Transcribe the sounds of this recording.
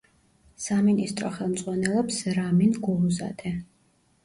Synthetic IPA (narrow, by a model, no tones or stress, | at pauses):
saminist̪ʼɾɔχɛlˠmd̪zʼʁwanɛlˠɔpsɾaminɡɔluza̰d̪ʰʼɛ